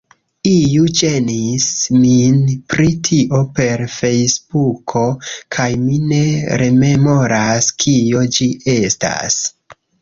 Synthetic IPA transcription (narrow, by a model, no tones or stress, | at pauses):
ijud͡ʒe̞nisminpɾitʰiʔo̞pe̞ɾfe̞jsb̥ukʰo̞kʰajmine̞ɾe̞me̞mo̞ɾaskʰio̞d͡ʒiʔe̞sta̰s